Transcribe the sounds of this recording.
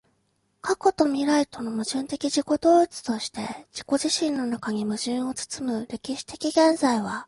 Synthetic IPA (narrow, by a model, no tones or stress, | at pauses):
kʰako̞t̪o̞mʲiɾait̪o̞no̞mɯ̟ʑɨ̃nt̪e̞kʲiʑiko̞d̪o̞ːit͡sɨ̥t̪o̞ɕi̥t̪e̞d͡ʑiko̞ʑiɕĩnːo̞nakaɲ̟imɯ̟ʑɨ̃ɰ̃o̞t͡sɨ̥t͡sɨmɯ̟ɾe̞kʲiɕi̥t̪e̞̥kʲiɡẽ̞nzaiβ̞a